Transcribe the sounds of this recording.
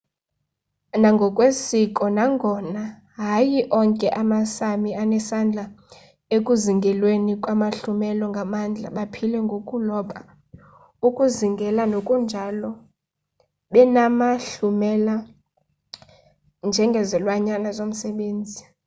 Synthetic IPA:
naŋɡʱɔkʼwesikʼɔnaŋɡʱɔna | ɦajiʔɔŋkʼɛʔamasamianɛsand͡ɮʱa | ekʼuziŋɡʱɛlwenikʼwamaɬumɛlɔŋɡʱamand͡ɮʱa̰ɓapʰilɛŋɡʱokʼulɔɓa | ukʼuziŋɡʱɛlanokʼund͡ʒʱalɔ | ɓɛnamaɬumɛla | nd͡ʒʱɛŋɡʱɛzɛlwaɲanazom̩sɛɓeːnd͡zʱi

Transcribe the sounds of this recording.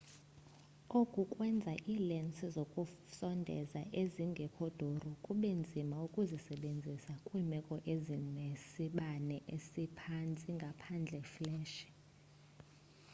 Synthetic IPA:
okʼukʼwɛnd͡zʱaʔiːlɛnt͡sʼizokʼu | sɔndʱɛ̰zaʔeziŋɡʱɛkʰɔd̥ʱorɔkʼuɓend͡zʱimaukʼuzisɛɓend͡zʱisakʼwuimɛkʼɔʔezinesiɓanɛʔesipʰant͡sʼiŋɡʱapʰand͡ɮʱɛflɛːʃi̥

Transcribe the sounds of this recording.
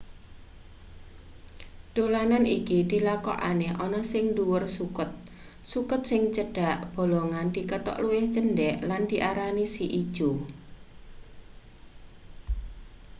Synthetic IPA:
d̪̥olananikid̪̥i̤lakɔ̰ʔa̰neʔɔnɔsɪŋd̪uwʊrsukʊt̪̚ | sukʊt̪̚sɪŋt͡ʃəɖ̥a̤ʔb̥o̤loŋand̪̥i̤kəʈɔ̰ʔluwɪht͡ʃənɖɛʔland̪̥i̤ʔaɾanisiʔid̥ʒ̥u

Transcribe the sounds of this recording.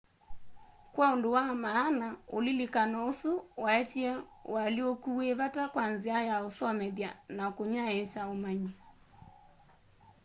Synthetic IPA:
kwaondowamaːnaolilikanɔosuwaɛtiɛwaliokueβatakwanziajaosɔmɛðjanakoɲaet͡ʃaomaɲi

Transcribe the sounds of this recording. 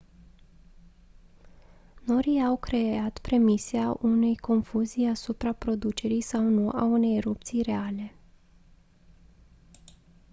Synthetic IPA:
no̞ɾiawkɾe̞at̪pɾe̞miseaʔune̞jko̞nfuzijasupɾapɾo̞d̪ut͡ʃe̞ɾijsawnuʔa̰une̞jeɾup̚t̪sijɾe̞ale̞

